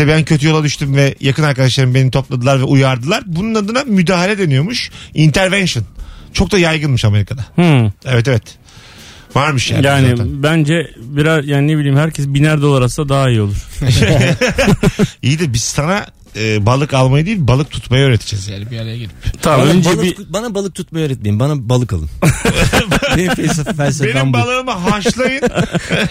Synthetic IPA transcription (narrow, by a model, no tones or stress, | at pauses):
ɛbæncʰø̞t̪ʰyjo̞lˠad̪yʃt̪ymvɛjakʰɯnaɾkad̪aʃlˠaɾɯmbe̞nit̪ʰo̞plˠad̪ɯlˠaɾvɛʔujaɾd̪ɯlˠaɾbununad̪ɯnamyd̪aːɦalʲɛd̪e̞nijo̞muʃint̪ʰæɾvɛnʃɯnt͡ʃʰo̞k̚d̪ajajɡɯnmɯʃame̞ɾikʰad̪ahevɛt̪̬evɛt̪ | vaɾmɯʃja̰ːjaːniabænd͡ʒɛbiɾazjaːninebilʲiːmhæɾcʰɛsbinæɾd̪o̞lˠaɾasd̪ad̪aːaijio̞lˠuɾ̥ | ijd̪ibist̪ana | ɯːbalˠɯkalˠmajad̪ijilʲbalˠɯkt̪ʰu̥t̪majaøːɾet̪ʰi̥d͡ʒɛzjaːnibijaɾejaɟilʲip̪ʰaønd͡ʒɛibanabalˠɯk̚t̪ʰut̪̚majaøːɾɛt̪̚meimbanabalˠɯkalˠɯ̰n | enifɛlʲsefifɛlʲsebenimbbalˠɯːmɯɦaʃlˠajɯn